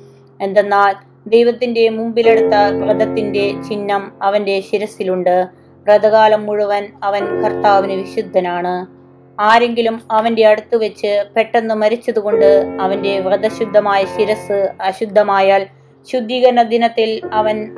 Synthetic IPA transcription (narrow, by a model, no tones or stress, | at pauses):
e̞nd̪enːaːl | d̪ejʋɐt̪ːinde̞mumbile̞ɽut̪ːɐʋrɐd̪ɐt̪ːinde̞t͡ɕinːɐmɐʋɐnde̞ɕiɾɐsiluɳɖɨ | rɐd̪ɐɣaːlɐmːuɻuʋɐnɐʋɐnkʰɐrt̪aːʋinɨʋiɕud̪ʱːɐnaːɳɨ | aːɾe̞ŋɡilumɐʋɐnde̞ɐɽut̪ːuʋɐt͡ɕːɨpe̞ʈːenːɨmɐɾit͡ɕːɐðuɣo̞ɳɖɨɐʋɐnde̞ʋrɐd̪ɐɕud̪ʱːɐmaːjɐɕiɾɐsɨɐɕud̪ʱːɐmaːjaːl | ɕud̪ʱːiːɣɐɾnɐd̪inɐt̪ːilɐʋɐn